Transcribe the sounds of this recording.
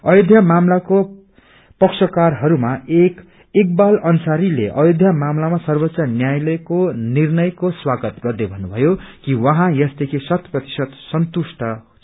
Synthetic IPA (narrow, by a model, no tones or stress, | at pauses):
ʌjod̪ʱjamamlako | pʌksʌkarɦʌɾumaek | ek̚balʌnusaɾileʔʌjod̪ʱjamamlamasʌrbʌtsʌnjajlʌkonirnʌjkoswaɡʌt̪ɡʌrd̪ebʱʌnːubʱʌjokiwʌɦãjʌsd̪ekʰisʌt̪prʌt̪i̥sʌd̪sʌnt̪usʈʌ